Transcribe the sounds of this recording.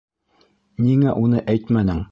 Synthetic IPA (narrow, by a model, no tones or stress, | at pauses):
niŋæʔunɤʔæjt̪mænɘŋ